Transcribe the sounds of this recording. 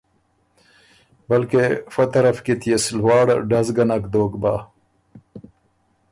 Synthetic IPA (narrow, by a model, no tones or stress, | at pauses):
bɐlkefot̪ɐɾɐfkit̪ʰjeslwɑːɽɖɐzɡɐnakd̪oːkbaː